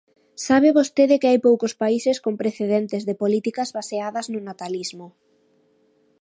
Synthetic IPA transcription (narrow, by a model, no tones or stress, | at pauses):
saβ̞ɪβost̪eðɪkɪajpowkʊspaisɪskompɾeθeðent̪ɪzðepolit̪ikɐzβaseaðɐznʊnat̪alizmʊ